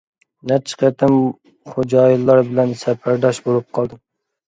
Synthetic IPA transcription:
nɛt͡ʃʰɨ̥qʰæt̪ʰam | χod͡ʒɑjilˠːɑɾbɪlænsæpʰæɾd̪ɑʃbolˠɨp̚qʰɑlˠd̪ɪm

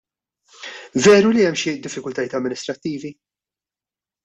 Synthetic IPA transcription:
vɛːɾuliɛmːʃid̪ɪfːɪkʊlt̪ɐjɪːt̪ɐmːɪnɪst̪ɾɐt̪ːiːvi

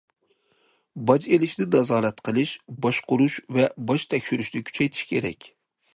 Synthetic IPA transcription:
bɑd͡ʒelɪʃd̪ɪnɑzɑːlˠɛt̪qʰəlˠɨʃbɑʃqʊɾuʃvɛbɑʃt̪ʰɛkʲʃyɾyʃd̪ɛkʲʰy̥t͡ʃʰɛjt̪ʰɪ̥ʃkʲʰeɾɛ̰kʲ

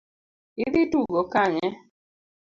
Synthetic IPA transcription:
iðituɡɔkaɲɛ

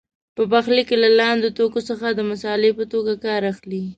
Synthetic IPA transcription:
pəbaxlikelalɑnd̪ot̪okosəxad̪əmʊsɑlepət̪oɡakɑɾaxli

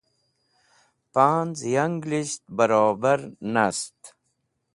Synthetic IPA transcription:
paːnzjaŋɡliʃt̪̚bɐɾaːbaɾnast̪

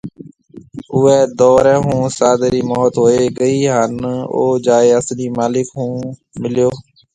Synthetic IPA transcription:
ʊɛːd̪ɔːɾɛ̃ːɦũːsaːd̪ɾiːmɔːt̪ɦoːeːɡəiːɦəno̰ːd͡ʒaːeːəsniːmaːlɪkɦũː | mɪljoː

